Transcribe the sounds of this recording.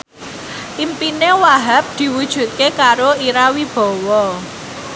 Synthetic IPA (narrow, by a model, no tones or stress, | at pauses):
ʔimpinewaɦap̚d̪̥i̤wud̥ʒ̥ṳt̪̚kekaɾoiɾawib̥ɔ̤wɔ